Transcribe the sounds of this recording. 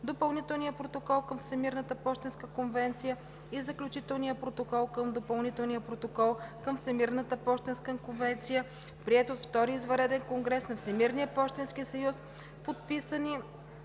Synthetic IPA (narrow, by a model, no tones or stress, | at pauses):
d̪opɐlˠnit̪ɛlˠnijəpɾot̪okɔlˠkəmfsɛmiɾnət̪əpɔʃt̪ɛnskəkonvɛnt̪sijə | izəklʲut͡ʃit̪ɛlˠnijəpɾot̪okɔlˠkɤmd̪opɐlˠnit̪ɛlˠnijəpɾot̪okɔlˠkɤmfsɛmiɾnət̪əpɔʃt̪ɛnskəkonvɛnt̪sijə | pɾiɛt̪oft̪ɔɾiizvɐɾɛd̪ɛnkoŋɡɾɛsnɐfsɛmiɾnijəpɔʃt̪ɛnskisɐjus | pot̪̚pisəni